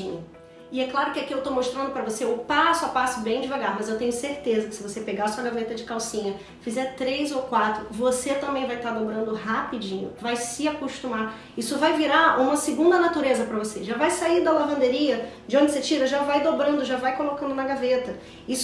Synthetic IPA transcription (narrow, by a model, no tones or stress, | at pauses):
ḭ̃ɲʊ | ɪɛklaɾʊkɪakiewt̪omoʃt̪ɾɐ̃nd̪ʊpɾɐvoseʊpasʊapasʊbẽj̃d͡ʒɪvaɡaɾmɐzewt̪ẽɲʊseɾt̪ezɐkɪsɪvosepeɡaɐsuɐɡavet̪ɐd͡ʒɪkawsĩɲɐ | fizɛɾt̪ɾejzowkwat̪ɾʊvoset̪ɐ̃mbẽj̃vajt̪ad̪obɾɐ̃nd̪ʊhapid͡ʒĩɲʊ̰vajsɪakoʃt̪umaɾ | isʊvajviɾaũmɐsɪɡũnd̪ɐnat̪uɾezɐpɾɐvoseʒavajsaiɾd̪ɐlavɐ̃nd̪eɾiɐ | d͡ʒɪõd͡ʒɪset͡ʃiɾɐʒavajd̪obɾɐ̃nd̪ʊʒavajkolokɐ̃nd̪ʊnɐɡavet̪ɐ | is